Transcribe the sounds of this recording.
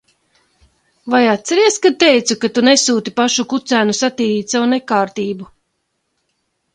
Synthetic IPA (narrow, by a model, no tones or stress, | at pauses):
vajat̪t̪sɛɾiɛskad̪̚t̪ɛjt̪sukat̪unesuːt̪ipaʃukut̪sæːnusat̪iːɾiːt̪ʲsawunɛkaːɾt̪iːbu